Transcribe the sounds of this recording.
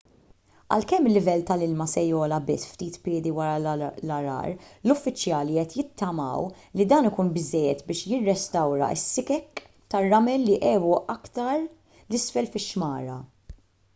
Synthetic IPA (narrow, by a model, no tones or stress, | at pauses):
ʔɐ̰lkɛmːɪlːɪvɛlːt̪ɐlɪlmɐsɛjɔːlɐbɪsːft̪iːt̪pɪːd̪iwɐɾɐlɐɾɐ̰ːɾlʊfːɪt͡ʃːjɐːliɛt̪jɪt̪ːɐmɐ̰ːw | lid̪ɐːnɪkuːnbɪzːɛjːɛt̪bɪːʃjɪrːɛst̪ɐwɾɐ̰ɪ̰sːɪkɛk | t̪ɐrːɐmɛlːiʔɛːwuʔɐkt̪ɐɾ | lɪsfɛlfɪʃːmɐːɾɐ